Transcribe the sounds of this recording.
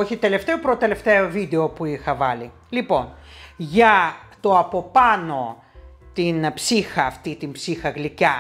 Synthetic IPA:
o̞çit̪e̞le̞ft̪e̞opɾot̪e̞le̞ft̪eovid̪e̞o̞puixɐvɐli | lipo̞nʝɐt̪o̞ɐpo̞pɐno̞ | t̪inpsixɐːft̪it̪impsixɐɣlicɐ

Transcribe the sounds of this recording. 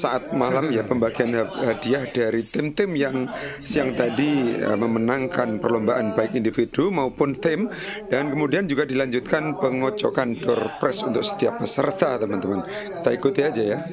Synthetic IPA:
saʔat̪̚malamjapəmbaɡianhadiahd̥aɾit̪ɪmt̪ɪmjaŋsijaŋt̪adiə̰məmənaŋkanpərlombaʔanbaɪkindifidumaupʊnt̪ɪm | d̥ankəmudiand͡ʒuɡadilaɲd͡ʒut̪̚kanpəŋot͡ʃɔ̰kandɔrpɾɛsunt̪ʊksə̥t̪iap̚ːəsərt̪at̪əmant̪əman | ki̥t̪aikut̪ad͡ʒaja

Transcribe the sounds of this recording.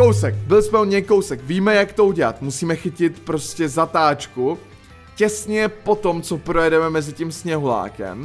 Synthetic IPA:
kowsɛk̚bɪlɪsmɛoɲɛjko̞wsɛkviːmɛjakt̪o̞uɟɛla̰t̪musiːmɛxɪcɪt̪pɾo̞scɛzat̪aːt͡ʃku | cɛsɲɛpo̞t̪omt͡sopɾojɛdɛmɛmɛzɪcimsɲɛɦula̰ːkɛ̰m

